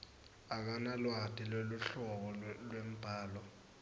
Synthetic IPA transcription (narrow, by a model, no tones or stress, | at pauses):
ak̬analwad̥ʱiloluɬɔk̬ɔlwem̩b̥ʱaːlɔ